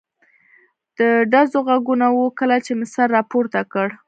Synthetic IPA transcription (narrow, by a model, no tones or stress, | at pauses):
d̪̥əɖazoɣaɡunawukəlat͡ʃemɪsaɾːɑpoɾt̪akəɽ